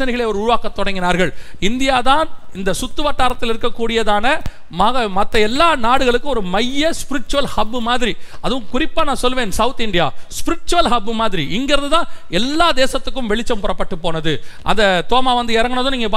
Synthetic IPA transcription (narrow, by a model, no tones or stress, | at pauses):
ɐnɪɣɐɭeɐɔɾʊɾɯʋaːkɐt̪ːɔɽɐŋɡɪnaːɾɣɐɭɪnd̪ɪjaːt̪aːnɪnd̪ɐsʊt̪ːɯʋɐʈːaːɾɐt̪ːɪlɪɾɯkːɐkːuːɽɪjɐðaːnɐ | maːɣɐmɐt̪ːɐɛlːaːnaːɽɯɣɐɭɯkːɯɔɾɯmɐjːɐspɪɾɪʈ̚t͡ʃʊʋɐlhɐbːɯmaːðɪɾiɐðɯʋʊ̃kʊɾɪpːaːnãːsɔlːʋẽːnsɐʋʊt̪ɪɳɖɪjaːspɪɾɪʈ̚t͡ʃʊʋɐlɦɐbːɯmaːðɪɾiʔɪŋɡɪɾɐðɯt̪ãːɛlːaːd̪eːsɐt̪ːɯkːɯmʋɛɭɪt͡ʃːɐmpɔɾɐpːɐʈːɯpːoːnɐðɯʔɐ̰nd̪ɐt̪oːmaːʋɐnd̪ɯɛɾɐŋɡɯnɐðʊ̃niːŋɡɐpaː